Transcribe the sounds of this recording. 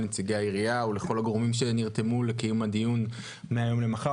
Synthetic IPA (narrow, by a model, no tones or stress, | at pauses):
net͡siɡeaiʁiauleχo̞laɡoomimʃeniʁt̪e̞mule̞kijumhad̪ijun | meajo̞mle̞maχa